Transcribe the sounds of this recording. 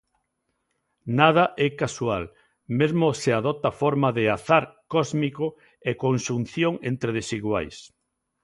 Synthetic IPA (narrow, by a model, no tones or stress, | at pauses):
nað̞aʔɛkaswal | mezmʊseaðɔt̪afɔɾmaðeaθaɾkɔzmiko | ekonʃun̟θjoŋent̪ɾeðesiɣwajs